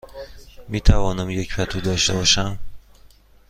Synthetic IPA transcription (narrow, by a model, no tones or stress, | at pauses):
miːt̪ʰævɒːnæmjecfæt̪ʰuːd̪ɒʃt̪ebɒːʃæm